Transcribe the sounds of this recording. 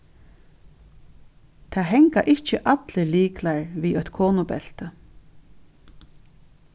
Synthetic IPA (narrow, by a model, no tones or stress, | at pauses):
t̪ʰaːɦɛŋka̰ʔɪht͡ʃɪʔat̪lɪliːklaɹviːɔɥt̪kʰoːnʊpɛ̰l̥t̪